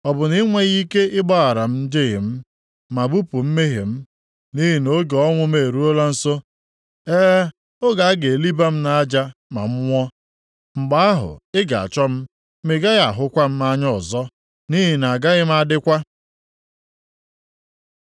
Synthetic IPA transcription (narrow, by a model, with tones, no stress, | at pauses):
ɔ˨bʊ˨ni˦ŋʷe˦ɣi˦ke˦ɪ˦ɡ͡bɔ˦ɣa˨ɾa˨m̩˦n̩˦dɪ˦ɣɪ̰˨m̩˦ | ma˨bu˦pu˨m̩˦me˦ɦe˨m̩˦ | ni˦ɦi˨no˦ɡe˨ɔ˦ŋʷʊ˦m˦e˨ɾu˦o˦la˦n̩˨so˦ | eː˦ | o˦ɡa˨a˦ɡe˨li˦ba˦m̩˦na˨a˦d͡ʒa˦ma˨m̩˦ŋʷɔ˦ | ŋ͡m̩˨ɡ͡ba˦a˦ɦʊ̰˨ɪ˦ɡa̰˨a̰˨t͡ʃɔ˦m̩˦ | me˨ɡa˦ɣa˨ɦʊ˦kʷa˦m̩˦ma˦ɲɔ˦ɔ˨zɔ˦ | ni˦ɦi˨na˨a˨ɡa˦ɣɪ˦m̩˦a˦dɪ˦kʷa˦